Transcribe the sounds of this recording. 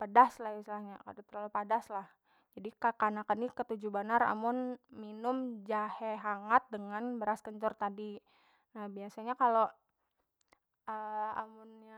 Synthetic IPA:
pədaslahist̪laɲaka̰dt̪əlalupadaslah | d͡ʒadikakanakənikət̪ud͡ʒubanara̰mʊnminʊmd͡ʒaheɦaŋat̪̚dəŋanbəɾaskəɲt͡ʃɔrt̪adi | nahbiasaɲakalo | əa̰mʊnja

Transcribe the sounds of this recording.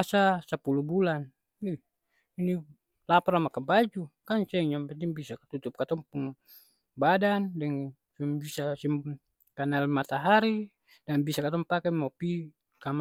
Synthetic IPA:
sasapulubulan | i | ini | lapaɾamakabad͡ʒukansɛɲampɛt̪iŋbisakt̪ut̪up̚kat̪ɔŋpuŋ | badandɛŋ | simbisasim | kanalmat̪aɦaɾi | danbisakat̪ɔŋpakɛmɔpi | kam

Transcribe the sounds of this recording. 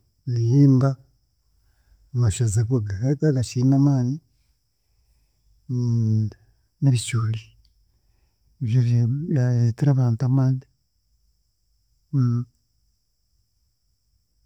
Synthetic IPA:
lijiːmba | maʃazakoɡakataɡaʃinamaːni | naβit͡ʃuːli | βjoβaitiɾaβaːntuamaːndi

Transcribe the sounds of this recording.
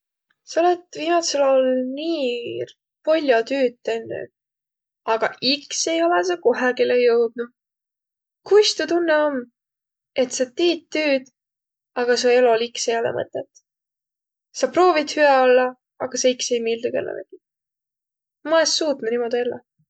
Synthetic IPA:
sɑolet̪viːmɑt̪selolniː | polʲːjɑt̪yːt̪ːenːy̰ | ɑɡ̥ɑ̰ʔikse̞jo̞leseko̞ɦekilejɤwd̪̥̚nu | kujst̪ut̪unːeomː | e̞t̪sɑt̪iːt̪ːyːd̪̥ | ɑɡɑs̬ueloliksejolḛmɤ̰t̪ːˑet̪ːˑ | sɑpro̞ːvid̪̥hyɛolːɑ | ɑɡ̥ɑseikse̞jmiːld̪ukelːɑ̰vḛk̪i | mɑesːuːt̪nunimo̞d̪̥ielːɑ

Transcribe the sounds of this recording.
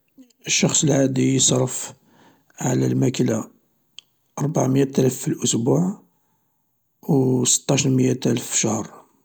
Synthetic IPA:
ʔəʃːɑxsˤəlʕad̪ijəsˤɑɾˤəf | ʕalæ̰lmækla | ʔɑɾˤbaʕmjæt̪ælæfːilʔʊsbuʕ | wsə̥t̪ːɑʃnmjat̪ælfʃahɾˤ

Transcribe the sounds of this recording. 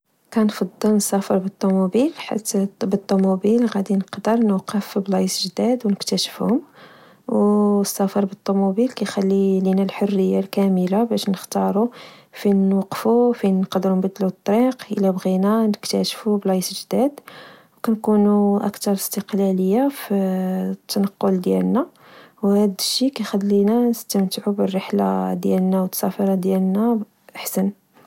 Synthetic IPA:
kænfɑd̪ˤːəlnəsæfəɾbət̪ˤːumubilħa̰t̪ːbət̪ˤːumubilɣæd̪inəqd̪əɾˤnqːəfblɑjəsʒd̪æd̪wnəkt̪æʃə̥fhʊm | wəsːæfɑɾˤbət̪ˤːumubilkæjxælːilinælħorːəjːalkæməlabæʃnəxt̪ɑɾˤufinwɑqːfufinqɑd̪ɾunbæd̪ːlut̪ˤːɑɾiqʔəlæbɣinænəkt̪æʃfublɑsʒd̪æd̪wkænkunuʔæ̰kt̪ɑɾˤəst̪əqlæləjːafit̪ʰːɑnɑqːʊld̪jæ̰lnæ | whæd̪əʃːikæjxælːinænəst̪əmt̪əʕubərːəħla̰d̪jæ̰lnæwət̪ːsɑfɑɾˤɑd̪jælnæ | ʔaħsən

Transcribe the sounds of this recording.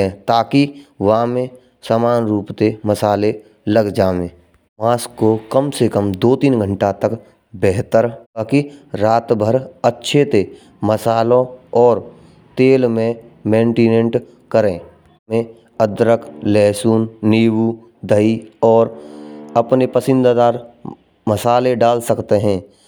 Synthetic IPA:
ẽt̪aːkiʋaːmẽ | saːmaːnɾuːpt̪eməsaːle | ləɡd͡ʒaːʋẽ | maːskːokəmsekəmd̪oːt̪iːnɡʱə̃ɳʈat̪ək | bɛɦt̪əɾakiɾaːt̪bʱəɾətːʃʰet̪e | məsaːlõɔːɾ | t̪eːlmẽmẽːɳʈiːnẽɳʈ | kəɾẽ | mẽ | əd̪ɾəklɛːsuːnːiːwu | d̪ʱəiɔːɾəpnepəsɪ̃nd̪ad̪aːɾ | məsaːleɖaːlsəkt̪eɦɛ̃ː

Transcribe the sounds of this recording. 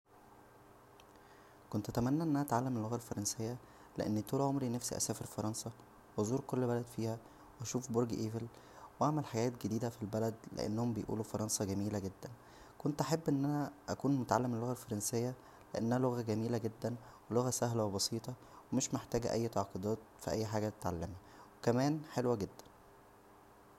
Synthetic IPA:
kont̪ʔæt̪æmænːæʔenːʔænæʔæt̪ʕalːemelːoɣælfɑɾˤɑnsejːæ | lḛʔḛnːt̪uːlʕomɾinæfsḭʔæ̰sæːfeɾfɑɾˤɑnsɑ | wozˤuːɾkolːbælæd̪fiːhæ | weæʃuːfboɾɡʔeːvel | wʔaʕmælħaɡæːt̪ɡed̪iːd̪æfilbælæd̪lḛʔḛnːhombejʔṵːlufɑɾˤɑnsˤɑɡæmiːlæɡed̪ːæn | kont̪ʔaħebːʔenːʔænæʔækuːnmot̪ʕalːemːelːoɣælfɑɾˤɑnsejːæ | leʔæ̰nːænæloɣæɡæmiːlæɡed̪ːænweloɣæsæɦlæwebɑsiːt̪ˤɑwemeʃmeħt̪æːɡæʔæ̰jːt̪ɑʕqod̪ɑːt̪fiʔæjːħaːɡæt̪e̥t̪ʕalːæmhæwekæmæːnħelwæɡed̪ːæ̥n

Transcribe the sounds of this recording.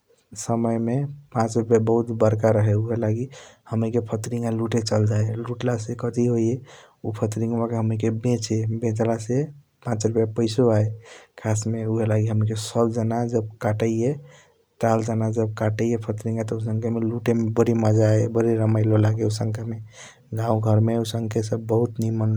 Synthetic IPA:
səməjmepãt͡ʃɾupjabəɦut̪bəɾkaɾəɦeuɦelaɡihəmikepʰət̪ɾĩŋɡaluʈet͡ʃəld͡ʒaeluʈlasekət̪iɦoje | upʰət̪ɾĩŋɡmakeɦəmikebẽt͡ʃebẽt͡ʃlase | pãt͡ʃɾupjapəɪsoaekʰasmeuɦelaɡiɦəmikesəbd͡ʒənad͡ʒəb̚kaʈəie | tald͡ʒənad͡ʒəb̚kaʈəijepʰət̪ɾĩŋɡat̪ɔus̬ə̃ŋkʰemeluʈemebəɾiməd͡ʒaebəɾiɾəmajlolaɡeusə̃ŋkeme | ɡãũɡʱəɾmeusəŋɡkesəbːəɦut̪nimən

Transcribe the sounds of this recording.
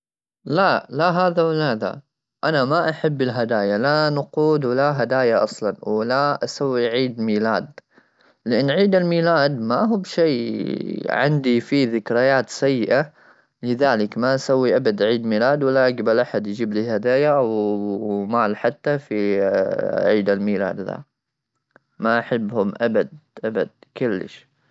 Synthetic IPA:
lalaɦaːðawɪlaða̰ | ʔanamaʔaħabːɪlɦad̪aːjalanʊquːd̪wɪlaɦad̪aːjaʔɑsˤlɑnwɪlaʔasawːiʕiːd̪miːlaːd̪ | lɪʔɪnːʕiːd̪almiːlaːd̪maɦuːbʃeː | ʕɪ̰nd̪ifiːðɪkɾajaːt̪sajːɪʔa | lɪðaːlɪkmaʔasawːiʔabad̪ʕiːd̪miːlaːd̪walːaʔaɡbalʔaħad̪jd͡ʒiːbliːhad̪aːjaw | maːlħat̪ːafi | ʕiːd̪almiːla̰ːd̪ða̰ | maʔaħɪbːhʊmʔabad̪̚ʔaba̰d̪̚kʊlːɪ̰ʃ

